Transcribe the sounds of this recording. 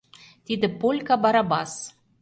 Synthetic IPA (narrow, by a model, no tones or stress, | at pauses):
t̪id̪ɘ̆polʲkɑbɑɾɑbɑs